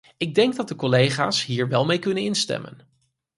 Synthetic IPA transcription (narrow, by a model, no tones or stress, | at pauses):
ɪɡ̚dɛŋɡdɑt̚dəkɔlejχa̰ːsɦiːɹʋɛlˠmejkɵnənɪnstɛ̰mə̰n